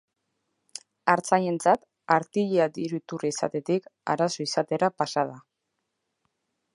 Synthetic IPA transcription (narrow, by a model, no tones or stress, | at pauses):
aɾt͡saje̞nt͡sat̪ | aɾt̪iʎead̪iɾut̪uriisa̰t̪e̞t̪ika̰ɾaso̞isat̪e̞ɾapasaða